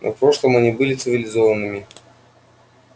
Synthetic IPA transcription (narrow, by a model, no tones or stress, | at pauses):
nʔɐ̰fpɾoʂlˠəmɐnʲibɨlʲɪt̪sɨvʲɪlʲɪzovənːɨmʲɪ